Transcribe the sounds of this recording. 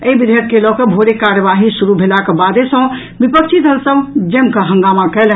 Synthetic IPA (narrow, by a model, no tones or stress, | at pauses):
eibid̪ʱət̪̚kelɔkebʱoɾekaɾjəʋaɦisuɾubʱelakebad̪esə̃ | bipək̚t͡ʃʰit̪əlsəmd͡ʒemkəɦə̃ŋɡamakɛl